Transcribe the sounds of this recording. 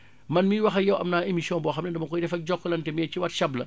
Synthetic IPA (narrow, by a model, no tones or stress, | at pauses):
mɐnmiwɐxɐjɐwʔɐmnaːemisiɔ̃ːnbɔːxɐmnɛndɐmɐkɔjdɛfɐk̚ɟɔkːlɐntɛmɛciwɐtʃɐblɐ